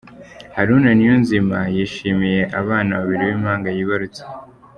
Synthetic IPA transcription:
haɾuːnanijonzimajiːʃiːmije̞ʔaβaːnaβaβiɾiwiːmhaːŋɡajiβaɾut͡se̥

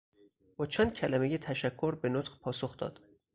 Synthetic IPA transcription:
bɒːt͡ʃʰænd̪̚cʰælæmejet̪ʰæʃækʰːoɾbenot̪χpʰɒːsoxd̪̥ɒ̰ːd̪̥

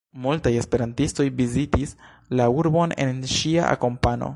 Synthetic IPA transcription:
multaje̞spe̞ɾantisto̞jvizitis | lauɾbo̞ne̞̰nʃia̰ʔa̰ko̞mpano̞̰

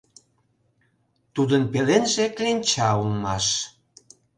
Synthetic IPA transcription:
t̪ud̪ənpelenʒeklʲinʲt͡ɕɑulmɑʃ

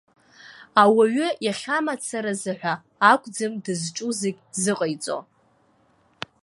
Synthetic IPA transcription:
awaɥʏjaχʲamat͡sʰaɾazɨħʷᶣaː | kʷʰʼd͡zɨmdɨzʈ͡ʂʼuzeɡʲzɨqʼəjt͡sʼo̰

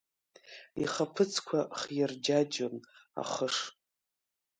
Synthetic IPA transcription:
ḭχapʰɨt͡sʰkʷʰaχjɪrd͡ʒad͡ʒona̰χəʂ

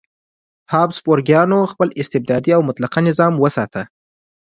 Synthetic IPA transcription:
hɑbsboɾɡjɑnoxpəlɪst̪ɪb̚d̪ɑd̪iawmʊt̪laqanɪzɑmwəsɑt̪ə

